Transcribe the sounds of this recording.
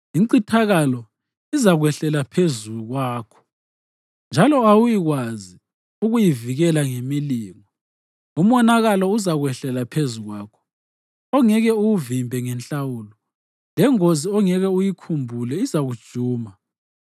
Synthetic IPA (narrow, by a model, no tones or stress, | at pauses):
iǀitʰaɣalɔ | izaɣwɛɬɛlapʰezuɣwaːkʰɔ̥ | nd͡ʒʱalɔawujiɣwazi | uɣujiviɣɛlaŋemiliːŋɔ | um̩wɔnaɣalɔuzaɣwɛɬɛlapʰezuɣwaːkʰɔ̥ | ɔŋɛɣɛuuvimbʱɛŋɛnt͡ɬawulɔ | lɛŋoziɔŋɛɣɛujikʰumbʱulɛizaɣud̥ʒ̥ʱuːma